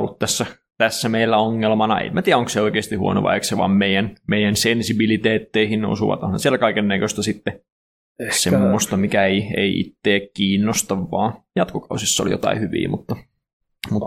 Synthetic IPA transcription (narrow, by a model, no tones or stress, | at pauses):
olːut̪t̪æsːæ | t̪æsːæmeilːæoŋːelmɑnɑ̰ḛmmæt̪iːæoŋkseoikeːst̪ihuo̰no̰ʋɑ̰ekseʋɑ̰ːmmeijænmeijænsensibilit̪eːt̪ːeihinno̰suʋɑ̰t̪o̰nhɑnsielækɑikenːækøst̪æsit̪ːe | semːost̪ɑmikæeiḛiʔḭt̪ːeːkkiːnːost̪ɑʋːɑ̰ːjɑt̪kokɑusisːɑo̰lḭjo̰t̪ɑ̰ihyʋḭːmut̪ːɑ | mut̪ː